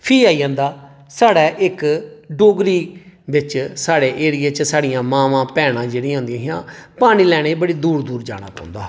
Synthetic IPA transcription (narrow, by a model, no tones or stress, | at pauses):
pʰiːaːiːãːnd̪aː | saːɽɛːʔɪkɖoːɡɾiːʋɪt͡ʃsaːɽeːʔeːɽɪjeːt͡ʃsaːɽɪjãːmaːʋãːpɛːɽãːd͡ʒeːɽĩɦʊ̃nd̪iãːɦɪjãːpaːɽ̃iːlɛːɽ̃eːbəɽiːd̪uːɾd̪uːɾd͡ʒa̰ːɽ̃a̰ːkɔ̰ːʊ̃nd̪aː